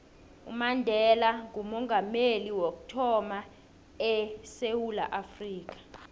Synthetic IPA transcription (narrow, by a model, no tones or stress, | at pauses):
ṵmandʱɛlaŋumɔŋɡʱameliwok̬u̥tʰɔma | ɛsewula̰ʔafriːk̬ḁ